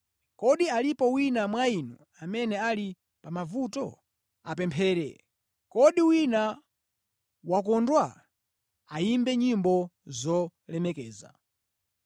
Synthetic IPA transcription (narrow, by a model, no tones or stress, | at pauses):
kɔɗialipɔwinamwainu | amɛnɛali | pamavutɔ | apɛmpʰɛːɾɛ̰ | kɔɗiwina | wakɔndwa | aimbɛɲimbɔzɔlɛmɛkɛːza̰